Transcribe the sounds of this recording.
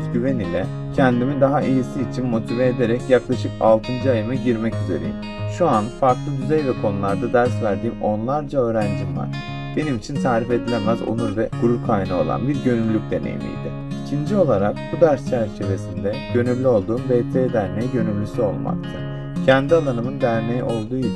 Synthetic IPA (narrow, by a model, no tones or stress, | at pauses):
ɟyve̞nilʲɛ | cʰænd̪imid̪aɦaʔijisiːt͡ʃʰinmo̞t̪ʰivɛːd̪e̞ɾɛcjaklˠaʃɯka̰lˠt̪ʰɯnd͡ʒɯajɯmaɟiɾmɛcyze̞ɾḛjim | ʃuanfaɾklˠɯd̪yzejvɛkʰo̞nulˠaɾd̪ad̪æɾsvæɾd̪iːmo̞nlˠaɾd͡ʒaøːɾænd͡ʒimva̰ɾ̥ | b̥e̞nimit͡ʃʰinsaːɾife̞d̪ilʲemæzo̰nuɾvɛɡ̥uɾuɾkʰajnɯo̞̰lˠa̰nbiɾɟø̞nylʲːyc̚d̪e̞nḛjḭmḭjd̪ɪ | icʰind͡ʒio̞lˠaɾak̚bud̪æɾst͡ʃʰæɾt͡ʃʰe̞ve̞sind̪ɛɟ̥ø̞nyllʲyo̞lˠd̪uːmbɛt̪ʰeːd̪æɾmeɛɟø̞nyllʲysyo̞̰lˠma̰k̚t̪ʰɯ | cʰænd̪ialˠanɯmɯnd̪æɾmejɛʔo̞lˠd̪uːi